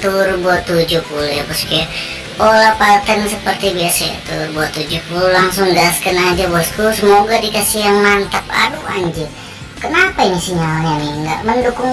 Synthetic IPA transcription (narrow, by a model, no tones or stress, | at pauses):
t̪urbuat̪ːud͡ʒuhpulujabaskia | olapat̪ənsəpərt̪ibiasaa̰t̪ubuat̪ːud͡ʒuhpululaŋsʊŋɡaskənad͡ʒabɔst̪usəmoɡadikasijaŋmant̪ap̚a̰dua̰ɲd͡ʒɛ | kənapainisiɲalɲaniŋɡa̰ʔməndukʊŋ